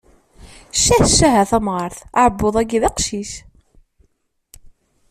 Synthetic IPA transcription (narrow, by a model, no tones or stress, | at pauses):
ʃːæθʃːæɦæθæmʁɑɾˤθaʕəbːoðˤæɡiðɑqʃis